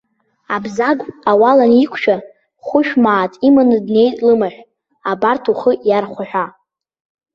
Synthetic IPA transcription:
abzaɡʷawalanikʷʰʃᶣa | χʷʊʃᶣmaːtʼimanɨdne̞jtʼlɨmaħʷᶣ | abartʰuχəjarχʷaħʷᶣa

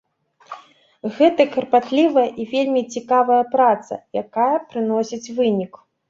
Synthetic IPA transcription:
ɣɛt̪ɐkɐrpat̪lʲivɐjɐʔivʲelʲmʲit͡sʲikavɐjɐpɾat̪sɐ̰jakajɐpɾɨnɔsʲit͡sʲvɨnʲik

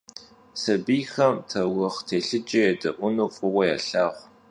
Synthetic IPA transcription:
sɐbiːjxɐmtʰɐwʊχtʰeːɬɨd͡ʒʼɐjɛdɐʔʷʊnuːfʼʊwɐja̰ːɬaːχʷ

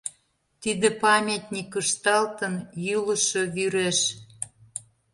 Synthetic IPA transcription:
t̪id̪ĕpɑmʲet̪ʲnʲikəʃt̪ɑlt̪ənjuləʃoβyɾeʃ

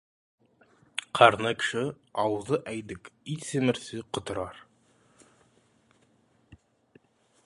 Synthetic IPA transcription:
qʰɑɾnɤkɘ̥ʃɘ | ɑwɤ̆zɤʔæjd̪ɘkit̪sɘ̆mɘ̆ɾsɘqŏt̪ɤ̆ɾɑɾ

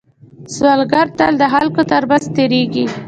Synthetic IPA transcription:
swalɡaɾt̪ald̪əɦalkot̪aɾbast̪eɾeɡi

